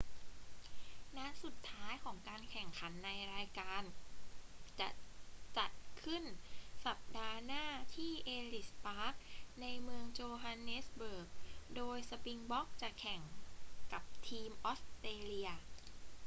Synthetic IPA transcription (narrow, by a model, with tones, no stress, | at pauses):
na˦˥su˨˩t̪ʰːaː˦˥jkʰɔː˩˦ŋkaː˧nkʰɛ˨˩ŋkʰa˩˦nːa˧jɾaː˧jkaː˧n | t͡ɕa̰˨˩t͡ɕa˨˩t̪̚kʰɯ˥˩nsa˨˩p̚daː˧naː˥˩t̪ʰiː˥˩ʔeː˧li˨˩spaː˦˥k̚na˧jmɯ˧əŋt͡ɕoː˧ɦa˧nːe˦˥sbɤː˨˩k̚doː˧jsa˧pi˧ŋbɔ˦˥k̚t͡ɕa˨˩kʰɛ˨˩ŋka˨˩p̚t̪ʰiː˧mʔoː˦˥st̪eː˧li˧ɐ